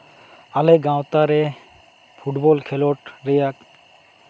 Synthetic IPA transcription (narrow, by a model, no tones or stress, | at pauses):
alɛɡãwt̪aɾɛ | pʰuʈbɔlkʰɛlɔʈɾɛjak̚